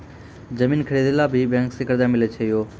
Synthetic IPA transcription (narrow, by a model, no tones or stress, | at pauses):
d͡ʑɐmiːnkʰɐɽed̪ɪlabʱɪbɛ̃ːŋksɪkəɾd̪ãːmɪlet͡ɕʰeijoː